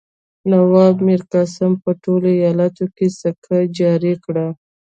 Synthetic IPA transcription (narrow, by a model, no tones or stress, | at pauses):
nawɑbmiɾkɑsampəʈoloijɑlat̪okesakʰad͡ʒɑɾikɽa